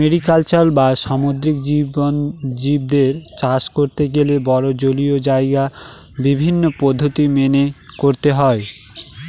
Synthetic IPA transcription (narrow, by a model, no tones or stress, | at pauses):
meɾikalt͡ɕalbaʃamod̪ɾikd͡ʑibond͡ʑib̚d̪eɾt͡ɕaʃkoɾt̪eɡelebɔɾod͡ʑoliod͡ʑaeɡa | bibʱinːopod̪ʱːot̪imene | koɾt̪eɦɔe